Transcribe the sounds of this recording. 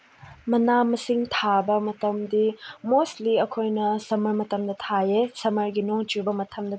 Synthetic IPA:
mɐnamɐsiŋtʰabɐmɐtɐmdimostliɐkʰojnɐsɐmɐɾmɐtɐmdɐtʰaesɐmɐɾɡinoŋt͡ʃiɾbɐmɐtʰɐmdɐ

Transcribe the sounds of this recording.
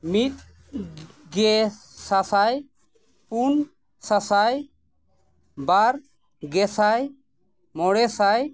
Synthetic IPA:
mit̪̚ | ɡɛ | sasaj | pun | sasaj | baɾ | ɡɛsaj | mɔɽɛsaj

